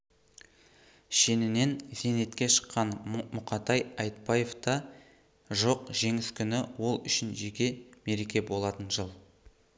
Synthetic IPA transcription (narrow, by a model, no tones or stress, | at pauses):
ʃe̞nɪne̞nz̥e̞ne̞t̪kʲe̞ʃə̥qːɑnmʊqɑt̪ɑjɑjt̪̚pɑje̞vt̪ɑ | ʒo̞qʒe̞ŋɪskʲʰʏnɪwo̞lˠʏ̰ʃɪnʒekʲe̞me̞ɾe̞kʲe̞bo̞lˠɑt̪ənʒəlˠ